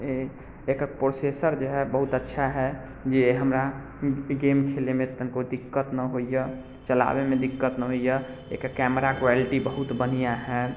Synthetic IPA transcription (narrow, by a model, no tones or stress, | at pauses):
e | ekəpɾosesəɾd͡ʒeɦɛbəɦut̪ətːʃʰaɦɛ | d͡ʒeɦəmɾa | ɡemkʰelemet̪ənkod̪ikːət̪nəɦojjə | t͡ʃəla̰bemed̪ikːət̪nəɦojə | ḛkəkɛməɾakɾɛliʈibəɦut̪bənijaɦɛ